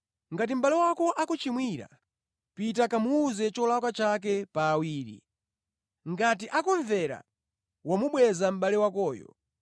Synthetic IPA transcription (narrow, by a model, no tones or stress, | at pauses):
ŋɡat̬im̩ɓalɛwakɔʔakut͡ʃimwiɾa̰ | pit̬akamuːzɛt͡ʃɔlakat͡ʃak̬ɛpaːwiːɾḭ | ŋɡat̬iʔakɔɱvɛɾa̰ | wamuɓwɛzam̩ɓalɛwakɔːjɔ̰